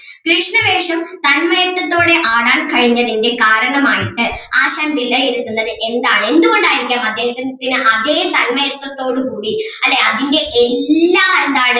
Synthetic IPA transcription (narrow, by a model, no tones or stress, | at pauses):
kɾɨʂɳɐʋe̞ːʂɐmt̪ɐnmɐjɐt̪ːɐt̪ːo̞ːɽe̞ʔaːɽaːnkɐɻiɲːɐðinde̞kaːɾɐɳɐmaːjiʈːɨaːɕaːmʋilɐjeɾut̪ːunːɐðɨʔe̞nd̪aːɭe̞nd̪uɣo̞ɳɖaːjiɾikʲːilaːmɐd̪ːeːhɐt̪ːt̪ːinɨʔɐðeːt̪ɐnmɐjɐt̪ːɐt̪ːo̞ːɽukuːɽi | ɐlːeɐðinde̞ʔelːaːend̪aːɭ